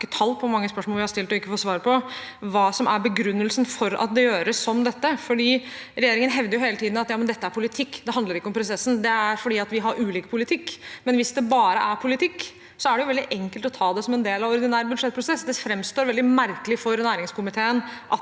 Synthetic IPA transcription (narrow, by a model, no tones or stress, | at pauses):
kːət̪ʰɑlːpʰɔmɑŋːəspœʂmoɔlʋɪhɑɾst̪ɪlt̪ɔɪkːəfɔt̪sʋɑːɾpʰɔ | ʋɑːsɔmʔæɾbəɡɾʉnːəlsənfɔɾɑ̰t̪̚d̪ɛjøːɾəsːɔmd̪ɛt̪ːəfɔɖiːɾɛjeːɾɪŋənɦɛʋd̪əɾjʊɦeːlət̪ʰiːd̪n̩ɑt̪jɑːmənd̪ɛt̪ːəæɾpʰʊlɪt̪ʰɪkːd̪ɛɦɑnd̪ləɾɪkːɔmpʰɾʊsɛsːn̩d̪ɛæɾfɔɖiːɑt̪ʋɪɦɑɾʔʉːliːkpʰʊlɪt̪ʰɪkːmɛnʋɪsd̪ɛbɑːɾə̰ʔæɾpʰʊlɪt̪ʰɪkː | sɔæɖɛjʊʋɛld̪ɪʔɛŋkəlt̪ɔt̪ʰɑːd̪ɛsɔmɛnd̪eːlɑʋɔɾd̪ɪnæːɾbʉd̪ʂɛt̪̚pʰɾʊsɛsd̪ɛfɾɛmst̪oːɾʋɛld̪ɪmæɾkəlɪfɔɾnæːɾɪŋskʰʊmɪt̪ʰeːənʔɑ